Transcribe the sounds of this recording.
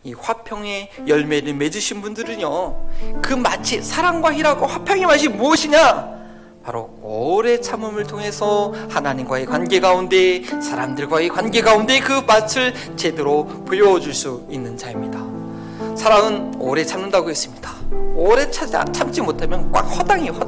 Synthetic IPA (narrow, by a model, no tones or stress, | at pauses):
iɸwapʰjʌŋe̞jʌɭme̞ɾɯɭme̞d͡ʑɯɕʰinbundɯɾɯnjokɯma̰t͡ɕʰisʰaɾaŋɡwaiɾaɡoɸwapʰjʌŋemaɕ̬ʰimuʌɕʰiɲa | paɾo̰ | ʌɾe̞t͡ɕʰamɯmɯɭtʰoŋe̞sʰʌhanaɲimɡwaekwanɡe̞ɡaunde̞sʰaɾa̰mdɯɭɡwaekwanɡe̞ɡaunde̞kɯmat͡ɕʰɯɭ | t͡ɕe̞deɾo | pojod͡ʑuɭs͈uinːɯnd͡ʑaimɲida | sʰaɾaŋɯno̰ɾe̞t͡ɕʰamnɯndaɡoɦes͈ɯmɲid̥ḁʌɾe̞t͡ɕʰa̰t͡ɕʰamt͡ɕ͈imotʰamjʌnkwa̰k̚hʌdaŋiwʌ